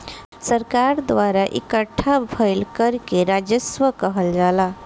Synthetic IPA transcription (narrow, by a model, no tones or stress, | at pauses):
səɾkaɾd̪ʋaɾaʔḭkəʈʰːabʱəjlkəɾkeɾad͡ʒəsʋəkəɦəld͡ʒala